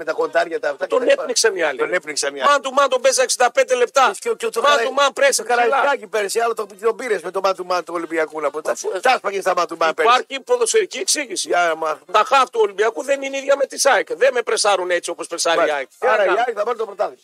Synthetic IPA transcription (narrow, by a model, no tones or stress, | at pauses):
met̪ɐko̞nd̪ɐɾʝɐt̪ɐt̪ɐt̪oneniksɐniɐlinepniksɐniɐmɐnt̪umɐnt̪obezsɐeksind̪ɐpe̞nd̪e̞le̞p̚t̪ɐsot̪omɐnt̪umɐnpɾesikɐɾɐlɐɐkipeɾsiɐlɐt̪opt̪obiɾeszmet̪omɐnt̪umɐnt̪uolimbiɐkulɐpot̪ɐspɐʝest̪ɐmɐnt̪umɐpeɐɾçipoðoseɾicieksiʝisiɐmɐt̪ɐxɐft̪uolimbiɐkuðe̞niniðʝɐme̞t̪isɐikðeme̞pɾesɐɾune̞t͡sio̞po̞spɾesɐɾiɐɐɾɐɐkθɐbɐnt̪opɾot̪ɐðis